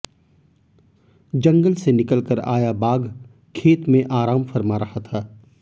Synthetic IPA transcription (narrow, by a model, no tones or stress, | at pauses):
d͡ʒɐ̃ŋɡəlsenɪkəlkəɾa̰ːjabaːɡ | kʰeːt̪mẽʔaːɾaːmfɐɾmaɾɐhat̪ʰaː